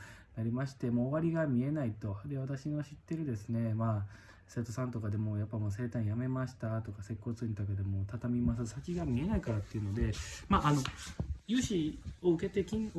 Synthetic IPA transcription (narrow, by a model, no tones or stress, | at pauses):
naɾʲimaɕi̥t̪emoːβaɾʲiɡamʲie̞nait̪o̞d̪e̞βat̪aɕinoɕit̪ːe̞ɾɯ̟d̪e̞sɨne̞maː | se̞ːt̪o̞sãnt̪o̞kad̪e̞mo̞ːjapːaimose̞ːt̪ãɰ̃jame̞maɕi̥t̪at̪o̞kase̞kːo̞ːt͡sɨĩnt̪ok̬ed̪e̞mo̞ːt̪at̪amʲimas̬ɨsakʲiɡamʲie̞naikaɾat̪ːeiɯ̟no̞d̪e̞maːano̞jɯːɕio̞ɯ̟ke̞t̪e̞kʲĩ